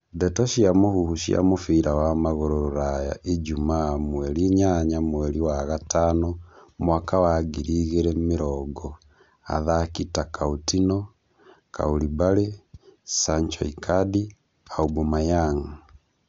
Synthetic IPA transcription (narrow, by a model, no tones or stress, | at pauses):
dɛtɔʃiamohuhuʃia̰mofiːɾawamaɣoɾoɾoɾaja̰ʔed͡ʒumamwɛɾiɲaɲamwɛɾiwaɣatanɔmwakawaɡiɾiɣeɾɛmeɾɔɡɔ | a̰ðakitakʰautinɔ | ka̰uɾibaɾesaɲt͡ʃɔ̰ikʰadi | aubɔmajaŋ̩